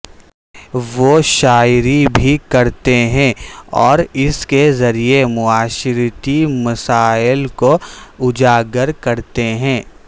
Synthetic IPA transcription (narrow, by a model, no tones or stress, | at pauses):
ʋoʃaːɾibʱikɐɾt̪eɦɛ̃ːɔːɾɪskezɐɾiemʊaːʃɪɾt̪imɐsaːɪlkoʊd͡ʒaːɡəɾkɐɾt̪eɦɛ̃ː